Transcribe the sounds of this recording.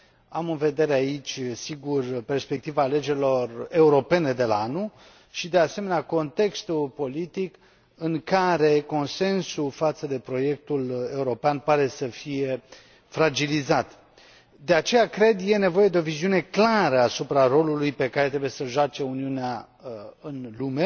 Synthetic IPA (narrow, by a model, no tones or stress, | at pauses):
amɨnve̞d̪e̞ɾeait͡ʃʲsiɡurpe̞rspe̞k̚t̪ivaːle̞d͡ʒe̞ɾilo̞re̞uɾo̞pe̞ne̞d̪e̞laanu | ʃid̪e̞ase̞me̞neako̞nt̪e̞kst̪ulpo̞lit̪ik | ɨŋkaɾe̞ko̞nse̞nsufat̪səd̪e̞pɾo̞je̞k̚t̪ule̞uɾo̞peanpaɾe̞səfije̞ | fɾad͡ʒilizat̪ | d̪e̞at͡ʃe̞jakɾe̞d̪je̞ne̞vo̞je̞d̪eo̞viziune̞klaɾəasupɾaɾo̞lulujpe̞kaɾet̪ɾe̞buje̞səʒoat͡ʃe̞uniunea | ɨnlume̞